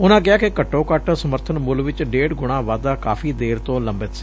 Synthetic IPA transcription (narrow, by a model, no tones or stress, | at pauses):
ʊnãːk̬ɪaːkɪkəʈːõːkəʈsəməɾt̪ʰənmʊlʋɪt͡ʃɖeːɽɡʊɽ̃ãːʋaːd̪aːka̰ːpʰiːd̪eːɾt̪õːləmbət̪si̥ː